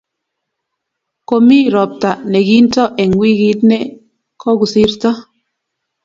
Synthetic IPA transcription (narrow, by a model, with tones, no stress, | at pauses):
ko˨mi˦˨ɾɔ˨p̚ta˨ʔne˨ɡi˦n̩˦tɔ˦ʔe˨ŋ˨wi˦ɡi˦tne˦ | kʰɔ˦ɡu˨si˦ɾtɔ˦